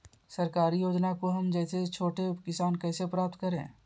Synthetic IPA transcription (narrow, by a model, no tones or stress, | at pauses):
sɐɾkaːɾijoːd͡ʒnakoɦɐmd͡ʒɛːset͡ʃʰoːʈekɪsaːnkɛːsepɾaːp̚t̪kəɾḛ̃ː